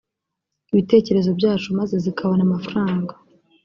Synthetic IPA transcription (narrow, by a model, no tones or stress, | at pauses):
iβite̞ːce̞ɾe̞zo̞bɟaːt͡ʃumaze̞zikʰaβonamafɾaːŋɡa